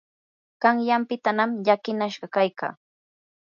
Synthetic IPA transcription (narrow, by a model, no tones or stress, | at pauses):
ɢ̥ɑŋjampɪt̪anamʎakɪnaʃɢɑkajka̰ː